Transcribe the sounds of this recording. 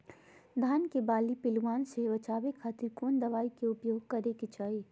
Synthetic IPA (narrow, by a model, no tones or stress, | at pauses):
d̪ʱaːnkebaːlipɪlwaːnseʋɐt͡ʃaːʋekʰaːt̪ɪɾkuːnd̪ɐʋaːikeʊpjoːɡ̚kɐɾeket͡ʃaːe